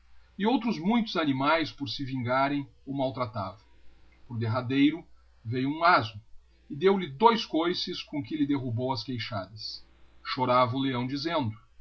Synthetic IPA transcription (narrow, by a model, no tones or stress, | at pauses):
ɪowt̪ɾʊzmũj̃t̪ʊzanimajspoɾsɪvĩŋɡaɾẽj̃owmawt̪ɾat̪avɐ̃ | poɾd̪eɦad̪ejɾʊ | vejʊũazʊ | ɪd̪ewlɪd̪ojskojsɪskõkɪlɪd̪eɦubowɐskejʃad̪ɐs | ʃoɾavɐʊleɐ̃w̃d͡ʒizẽnd̪ʊ